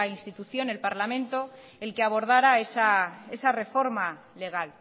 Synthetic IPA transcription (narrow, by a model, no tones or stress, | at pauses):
inst̪it̪uθjo̞ne̞lpaɾlamẽ̞nt̪o̞ | e̞lkeaβo̞ɾð̞aɾaesae̞sare̞fo̞ɾma | le̞ɣ̞al